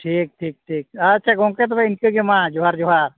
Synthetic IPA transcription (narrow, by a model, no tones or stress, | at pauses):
ʈʰiːk̚ʈʰiːk̚ʈʰiːk̚əːtːʃʰaɡõket̪̬obʱaɪnkeɡemãd͡ʒoɦaɾd͡ʒoɦaːɾ